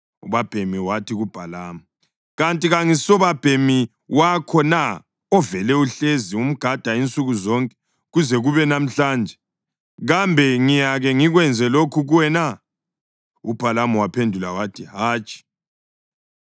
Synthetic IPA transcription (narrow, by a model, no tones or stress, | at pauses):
uβab̥ʱemiwatʰiɣub̥ʱalaːma | ɣantʼiɣaŋisɔβab̥ʱemi | wakʰɔna | ɔvɛlɛuɬezium̩ɡ̥ʱad̥ʱaint͡sʼuɣuzɔŋkʼɛ̥ | ɣuzɛɣuβɛnam̩ɬaːnd͡ʒʱɛ | ɣambʱɛŋijaɣɛŋiɣwɛnd͡zʱɛlokʰuɣuwɛna | ub̥ʱalamuwapʰendʱulawatʰiɦaːt͡ʃʼi̥